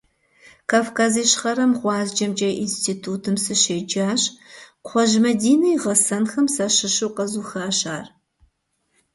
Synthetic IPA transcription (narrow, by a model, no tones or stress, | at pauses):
kʰaːfkʰaːziːɕχɐɾɐmʁʷɑːzd͡ʒɐmd͡ʒɐjʔinstʰiːtʰuːtʰɨmsɨɕeːd͡ʒaːɕqʷʰɔʒmɐdiːnɐjʁɐsɐnxɐmsɐʃɪʃɨwqɐzuːxaːɕaːr